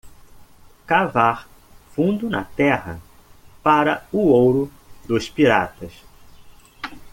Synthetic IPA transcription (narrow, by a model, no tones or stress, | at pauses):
kavaɾ | fũnd̪ʊnɐ̰t̪ɛɦɐ̰ | paɾɐʊowɾʊ | d̪ʊspiɾa̰t̪ɐs